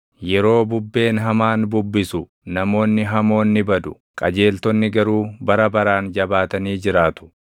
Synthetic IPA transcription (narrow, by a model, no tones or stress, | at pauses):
jɛɾo̞ːbʊbːe̞ːnɦɐmaːnbʊbːɪsʊ | nɐmo̞ːnːɪɦɐmo̞ːnːɪbɐd̪ʊ | kʼɐd͡ʒe̞ːlt̪ɔnːɪɡɐɾuːbɐɾɐbɐɾaːnd͡ʒɐbaːt̪ɐniːd͡ʒɪɾaːt̪ʊ̥